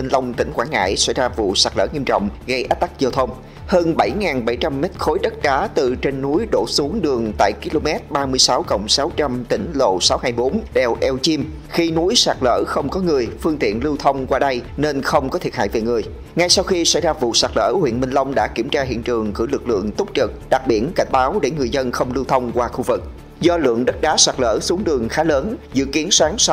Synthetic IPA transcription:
i˧ŋlə˧wŋ͡mt̪ï˧˩ŋ̟kwaː˧˩nŋa̰ː˧˨jsa̰˧˥˩jzaː˧vṵ˧˨saː˨˩k̚lə̰ː˧˩ŋi˧əmt͡ɕɔ̰˧˨wŋ͡mɣə˧jʔa˦˥t̚t̪a˦˥k̚zəː˧wt̪ʰə˧wŋ͡m | həː˧nɓa˧˩jŋaː˨˩nɓa˧˩jt͡ɕa˧mːɛ˦˥t̚xo˨˦jɗə˦˥t̚ɗaː˨˦t̪ɨ˨˩t͡ɕe˧nːu˨˦jɗo̰˧˩su˨˦əŋɗɨ˨˩əŋt̪a̰ː˧˨jki˧lo˧mɛ˦˥t̚ɓaː˧mɨ˧əjsa˨˦wkə̰˧˨wŋ͡msaː˨˦wt͡ɕa˧mt̪ï˧˩ŋ̟lo̰˧˨saː˨˦whaː˧˩jɓo˨˦nɗɛ˨˩wʔɛ˧wt͡ɕi˧m | xi˧nu˨˦jsaː˨˩k̚lə̰ː˧˩xə˧wŋ͡mkɔ˨˦ŋɨ˨˩əjfɨ˧əŋt̪ḭ˧˨ənlɨ˧wt̪ʰə˧wŋ͡mkwaː˧ɗə˧jne˧nxə˧wŋ͡mkɔ˨˦t̪ʰi˨˩t̚ɦa̰ː˧˨jve˨˩ŋɨ˨˩əj | ŋa˧jsa˧wxi˧sa˧˥jzaː˧vṵ˧˨saː˨˩k̚lə̰ː˧˥hwḭ˧˨ənmï˧ŋ̟lə˧wŋ͡mɗa̰ː˧˥ki˧˩əmt͡ɕaː˧ɦḭ˧˨ənt͡ɕɨ˨˩əŋkɨ̰˧˩lɨ˨˩k̚lɨ̰˧˨əŋt̪u˦˥p̚t͡ɕɨ˨˩t̚ɗa˨˩k̚ɓḭ˧˩ənka˧˩jŋ̟ɓaː˨˦wɗe˧˩ŋɨ˨˩əjzə˧nxə˧wŋ͡mlɨ˧wt̪ʰə˧wŋ͡mkwaː˧xu˧vɨ˨˩k̚ | zɔ˧lɨ̰˧˨əŋɗə˦˥t̚ɗaː˨˦saː˨˩k̚lə̰ː˧˥su˨˦əŋɗɨ˨˩əŋxaː˨˦ləː˨˦nzɨ̰˧˨ki˨˦ənsaː˨˦ŋs

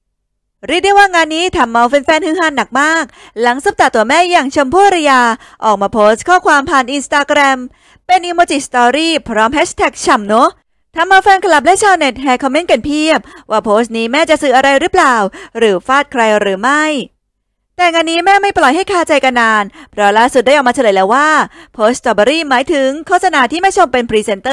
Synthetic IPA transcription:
ɾiː˥˩t̚d̪a˥˩jwaː˥˩ŋaː˧nːiː˦˥t̪ʰa˧mːa˧wpe˧nfɛː˧nhɯː˦˥ɦaː˧˥˩nːa˨˩k̚maː˥˩k̚ | la˩˦ŋsu˦˥˩p̚t̪a˨˩t̪u˧˩əmɛː˥˩jaː˨˩ŋt͡ɕʰɤ˧mpʰuː˥˩ɾa˧jaː˧ | ʔɔː˨˩k̚maː˧˩pʰoː˦˥st̪̚kʰɔː˥˩kʰwaː˧mpʰaː˧nʔi˧nst̪aː˧kɾɛ˧m | pe˧nʔiː˧moː˧t͡ɕi˨˩st̪ɔː˧ɾiː˥˩pʰɾɔː˦˥mhɛː˦˥t̪ʰɛ˨˩k̚t͡ɕʰa˨˩mnɔ˦˥ | t̪ʰa˧mːa˧wfɛː˧nkʰa˧la˨˩p̚lɛ˦˥t͡ɕʰaː˧˩ne˨˩t̪̚hɛː˧kʰɔ˧mːe˦˥nke˧˩npʰi˥˩əp̚waː˧˩pʰoː˦˥st̪̚niː˦˥mɛː˥˩t͡ɕa˨ʔsɯː˨˩ʔa˧ɾa˧jɾɯː˦˥plaː˨˩wɾɯː˩˦faː˥˩t̪̚kʰɾa˧jɾɯː˩˦ma˥˩j | t̪ɛː˨˩ŋaː˧nːiː˦˥mɛː˥˩ma˥˩jplɔ˨˩jɦa˥˩jkʰaː˥˩t͡ɕa˧jka˧nːaː˧npʰɾɔ˦laː˥˩su˨˩t̪̚da˥˩jʔɔ˨˩maː˧t͡ɕʰa˧lːɤ˨˩˦jlɛː˨˧˩wːaː˥˩pʰoː˦˥s̚t͡ɕɔː˧˩ba˧ɾiː˥˩maː˨˩˦jt̪ʰɯ˨˩˦ŋkʰoː˥˩t̪sa˧naː˧t̪ʰiː˥˩ma˥˩jt͡ɕʰo˧˩mpe˧npʰɾiː˧se˧˦nt̪ɤː˥˩

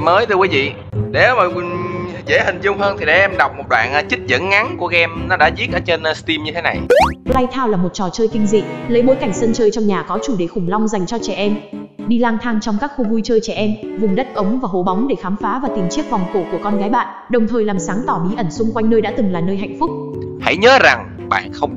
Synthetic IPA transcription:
məː˨˦jt̪ɨ˧wi˨˦vḭ˧˨ | ɗe˨˦wmaː˨˩˨ | ze˧˩hï˨˩ŋ̟zʊ˧ŋ͡mhəː˧nt̪ʰi˨˩ɗʔɛ˧mɗa˨˩wk͡p̚mo˨˩t̚ɗwa̰ː˧˨nʔːt͡ɕï˦˥t̚zə̰˧˥nŋa˨˦ŋku˧˩əɣɛ˧mnɔ˨˦ɗa̰ː˧˥zi˦˥ət̚ʔəː˨˦t͡ɕe˧n˧st̪i˧mɲɨ˧t̪ʰe˨˦na˨˩jla˧jt̪ʰaː˧wlaː˨˩mo˨˩t̚t͡ɕɔ˨˩t͡ɕəː˧jkï˧ŋ̟zḭ˧˨lə˨˦jmo̰˧˥jka˧˩jŋ̟sə˧nt͡ɕəː˧jt͡ɕɔ˧wŋ͡mɲaː˨˩kɔ˨˦t͡ɕu˧˩ɗe˧˩xʊ˨˧˩ŋ͡mla˧wŋ͡mza˨˩jŋ̟t͡ɕɔ˧t͡ɕɛ˧˩ʔɛ˧mɗi˧laː˧ŋt̪ʰaː˧ŋt͡ɕɔ˧ŋ͡mkaː˦˥k̚xo˧vu˧jt͡ɕəː˧jt͡ɕɛ˧˩ʔɛ˧mvʊ˨˩ŋ͡mɗə˦˥t̚ʔə˨˦wŋ͡mvaː˨˩ɦo˧˩ɓa˨˦wŋ͡mɗe˧˩xaː˨˦mfaː˨˦vaː˨˩t̪i˨˩mt͡ɕi˦˥ək̚vɔ˨˩wŋ͡mko˧˩ku˧˩əkɔ˧nɣaː˨˦jɓa̰ː˧˨ʔɗə˨˩wŋ͡mt̪ʰəː˨˩jlaː˨˩msaː˨˦ŋt̪ɔ˧˩ɓi˨˦ʔə˧˩nsʊ˧ŋ͡mkwa˧jŋnəː˧jɗa̰ː˧˥t̪ɨ˨˩ŋlaː˨˩nəː˧jɦa̰˧˨jŋ̟fʊ˦˥k͡p̚ha̰˧˥jɲəː˨˦za˨˩ŋ | ɓa̰ː˧˨nxə˧wŋ͡m

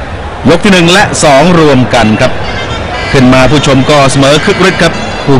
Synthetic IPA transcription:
jo˦˥k̚t̪ʰiː˥˩nɯ˨˩ŋlɛ˦˥ʔsɔː˩˦ŋɾu˧əmka˧nkʰa˦˥p̚ | kʰɯ˥˩nmaː˧pʰuː˥˩t͡ɕʰo˧mkɔː˥˩sa˧mɤː˩˦kʰɯ˦˥k̚ɾi˦˥t̪̚kʰa˦˥p̚ | pʰuː˧˩

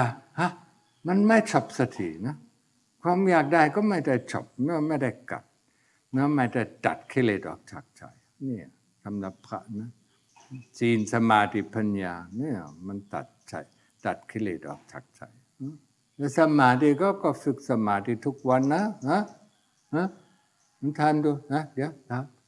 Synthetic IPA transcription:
a˧ʔa˧˩ | ma˧nma˥˩jt͡ɕʰɔ˨˩p̚sa˧t̪ʰḭ˨˩na˦˥ | kʰwaː˧mjaː˨˩k̚da˧˩jkɔː˥˩ma˥˩jda˥˩jt͡ɕʰɔ̰˨˩p̚mɛ˥˩˨ma˥˩jda˥˩jka̰˨˩t̪̚ | mɛ˦˥˩ma˧˩jt̪a˧˩ta̰˨˩t̪̚kʰi˧leː˨˩t̪̚ʔɔ̰ː˨˩k̚t͡ɕʰa˨˩k̚t͡ɕʰa̰˨˩j | ni˧˩ | sʰa˧mna˧˦pʰɾa̰˦˧˥ʔna˦˥˧ | t͡ɕiː˧nsa˧maː˧t̪i˧˩pʰa˧njaː˧ni˧˥˩ma˧nt̪a̰˨˩t̪̚t͡ɕʰa̰˨˩j | t̪a˨˩t̪̚kʰi˧lḛː˨˩t̪̚ʔɔ̰ː˨˩k̚t͡ɕʰa̰˨˩k̚t͡ɕʰa̰˨˩˦j | a˧˥ | lɛː˦˧˥sa˧maː˨˦t̪iː˧kɔː˥˩kɔː˧˩fɯ˨˩k̚sa˧maː˨˦˩t̪iː˧˩t̪ʰu˦˥k̚wa˧nːa˦˥ha˦˥ | ha˧˥ | ma˧˦nt̪ʰaː˧mdu˧na˦˧di˨˧˦t̪ʰaː˧m

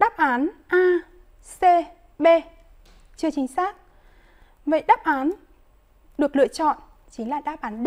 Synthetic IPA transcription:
ɗaː˦˥p̚ʔaː˨˦nʔaː˧ | se˧ | ɓe˧ | t͡ɕɨ˧ət͡ɕï˨˦ŋ̟saː˦˥k̚ | və̰˧˨jɗaː˦˥p̚ʔaː˨˦n | ɗɨ˨˩ək̚lɨ̰˧˨ət͡ɕɔ̰˧˨nt͡ɕi˨˦ŋlaː˨˩ɗaː˦˥p̚ʔaː˨˦nɗ

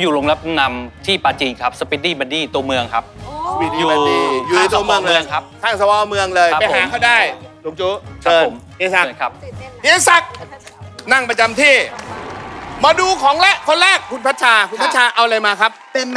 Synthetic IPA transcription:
juː˨˩loː˧ŋla˦˥p̚na˧mt̪ʰiː˥˩paː˧t͡ɕi˧˩kʰa˦˥p̚sa˧piː˦˧diː˥˩ma˧ndiː˥˩t̪u˧ɐmɯ˧əŋkʰa˦˥p̚i˧juːa˧˩iː˩juː˨a˥i˧t̪u˧m˧ə˧ŋlɯː˧əŋkʰa˦˥p̚kʰaː˥˩ŋsa˧wa˧mɯ˧əŋlɤː˧jpa˧ja˦aː˩˦kʰa˥˩wdaː˥˩j | uː˨˩˦t͡ɕuː˧˦˥kʰa˦˥ɤːpʰːo˩˦m | i˧˥˩sa˧˩˧kʰa˦˥p̚iː˧˥sa˨˦˩k̚ | na˥˩ŋpɾa˧t͡ɕa˧mt̪ʰiː˥˩ | maː˧duː˧kʰɔː˩˦ŋlɛ˦˥˩kʰːo˧nɾɛː˥˩kʰːu˧npʰa˦˥t̪̚t͡ɕʰaː˧kʰu˧npʰa˥t̚t͡ɕʰaː˧ʔa˧wla˧jmaː˧kʰa˦˥p̚pe˧

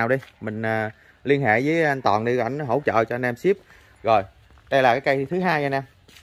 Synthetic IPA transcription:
a˨˩wɗə˧jmï˨˩ŋ̟ʔː | li˧ənɦḛ˧˨vəː˨˦a˧nt̪wɔ̰ː˨˩nɗi˧ka˧jŋ̟n˦ɦə̰˧˩wt͡ɕə̰ː˧˨t͡ɕɔ˧nʔɛ˧msi˦˥p̚ | ɣo˨˩j | ɗə˧jlaː˨˩kaː˨˦jka˧jt̪ʰɨ˨˦ɦaː˧ja˧nɛ˧m

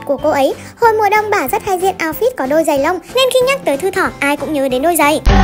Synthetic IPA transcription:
ku˧˩əko˧ʔə˨˦j | ho˧˩jmu˨ɗə˧wŋ͡mɓaː˧˩zə˦˥t̚haː˧jzḭ˧˨ənʔaː˧wfi˦˥t̚kɔ˨˦ɗo˧jzə˨˩jlə˧wŋ͡mne˧nxi˧ɲaː˦˥k̚t̪əː˨˦jt̪ʰɨ˧t̪ʰɔ˧˩ʔaː˧jkʊ̰˧˥ŋ͡mɲəː˨˦ɗe˨˦nɗo˧jzə˨˩j

